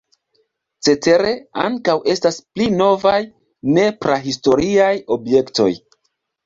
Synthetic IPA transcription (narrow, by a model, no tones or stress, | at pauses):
t͡se̞te̞ɾe̞a̰ŋkawe̞stasplino̞vaj | ne̞pɾaɦisto̞ɾiajo̞bje̞kto̞̰j